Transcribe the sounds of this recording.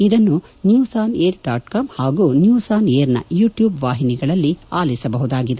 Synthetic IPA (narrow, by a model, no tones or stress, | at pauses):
id̪ɐnːunjuːsaːneːɾɖaːʈkɐmhaːɡuːnjuːsaːneːɾnɐ̰juːʈjuːbʋaːɦiniɡɐɭɐlːiaːlisɐbɐɦud̪aːɡid̪e